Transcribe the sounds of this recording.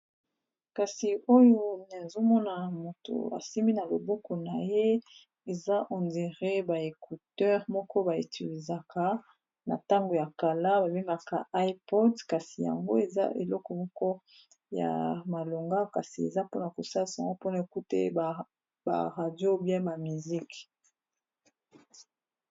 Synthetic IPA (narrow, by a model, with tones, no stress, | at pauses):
ka˨si˨o˦jo˦na˨zo˦mɔ˦na˨mo˨to̰˨a̰˨si˦mi˦na˨lo˨bo˦kɔ˨na˨je˦ | e˨za˦ʔɔ˨nze˨ʁe˦ba˨e˨ku˨tɛ˦ʁmɔ˦kɔ˦ba˨i˨ti˨li˨za˨ka˦ | na̰˨ta˦ŋɡo˨ja˨ka˨la˦ba˨be˦ŋɡa˨ka̰˦a˦i˦pɔ˦dka˨si˨ja̰˨ŋɡo̰˦e˨za̰˦ʔe˨lɔ˦kɔ˨mɔ˦kɔ˦ | ja̰˨ma˨lo˨ŋɡa˦ka˨si˨ḛ˨za˦po˦na˨ko˨sa˦li˨sa˨a̰˨ŋɡo˦po˦na˨e˨ku˦tḛ˦˨ | ba̰˨ʁa˨djo˦bja˦ba˨mi˨zi˦k